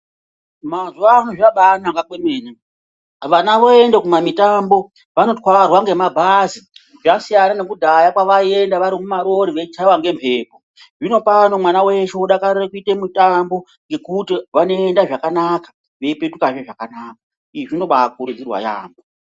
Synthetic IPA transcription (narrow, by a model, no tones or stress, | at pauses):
mazuʋanoʐiʋaɓanaŋɡakwemeːne | ʋanaʋo̞endekumamitambo̞ | ʋano̞ti̥kwaʋarwaŋɡe̞mabʱazi | ʐasijananekudʱajakwaʋae̞ndaʋaɾimumaɾo̞ɾiʋet͡ʃitʰawaŋɡe̞mpʰe̞ːpo | ʐino̞pano̞mwanawe̞ʃeuɗakarirekuitemitambo̞ | ŋɡe̞kutiʋano̞endaʐakanakḁ | ʋe̞ipetukaʐeʐakanaːka | iʐino̞ɓak̚uɾud͡zirwa̰ja̰ːmbo